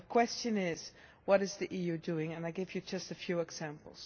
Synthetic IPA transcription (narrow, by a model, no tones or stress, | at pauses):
əkʰw̥ɛst͡ʃɨ̃nɪz̥ | wʌɾɨzðiʔijʉdʉɪ̃ŋɨ̃naɪɡɪvjɨd͡ʒʌstɨfjʉɨɡz̥æ̃mpl̩ˠz̥